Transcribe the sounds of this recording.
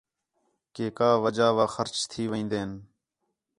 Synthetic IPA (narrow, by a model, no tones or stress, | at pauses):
keːkaːʋəd͡ʒaːʋaːxəɾt͡ʃt̪ʰiːʋəĩːnd̪eːn